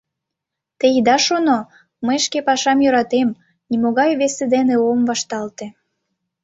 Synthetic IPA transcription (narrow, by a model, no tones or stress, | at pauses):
t̪eid̪ɑʃono | məjʃkepɑʃɑmjøɾɑt̪em | nʲimoɣɑjβesed̪eneomvɑʃt̪ɑlt̪e